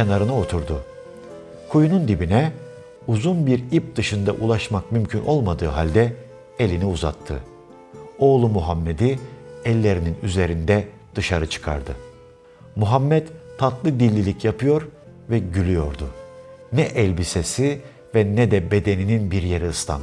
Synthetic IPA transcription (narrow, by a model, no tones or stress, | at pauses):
cʰenaɾɯnɯo̞t̪ʰuɾd̪ʊ | kʰujunund̪ibinɛ | uzunbiɾip̚d̪ɯʃɯnd̪aʔulˠaʃmakmymcʰynʔo̞lˠmad̪ɯːɦalʲd̪ɛ | elʲiniuza̰t̪ʰːɯ̰ | o̞ːlˠumuɦamːe̞d̪iɛlʲːe̞ɾininyze̞ɾind̪ɛ | d̪̥ɯʃaɾɯt͡ʃʰɯ̥kʰa̰ɾd̪ɯ | muɦamːɛt̪t̪ʰːat̪lˠɯd̪ilʲːilʲicʰjapʰɯjo̞ɾ | vɛɟylʲyjo̞ɾd̪ṵ | nɛʔɛlʲbisesi | vɛnɛd̪ɛbe̞d̪e̞nininbiɾje̞ɾiɯst̪ʰa̰n